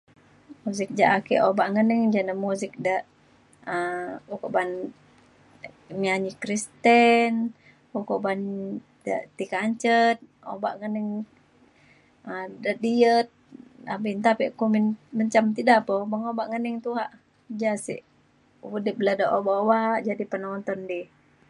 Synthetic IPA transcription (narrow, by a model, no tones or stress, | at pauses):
muzɪk̚d͡ʒaʔakɛʔobaʔŋənɛŋd͡ʒanamuzɪk̚daʔ | əukoʔban | miaɲikɾist̪ɛn | ukoʔban | da̰t̪ikaɲt͡ʃət̪̚ | o̰ba̰ʔŋəniŋ | ədaʔdiət̪̚a̰bint̪apiʔkuminməɲt͡ʃamt̪idapabaŋobaʔŋəniŋt̪uɦaʔ | d͡ʒasḭʔ | wudibladaʔobaobaʔd͡ʒadipənɔnt̪ɔndi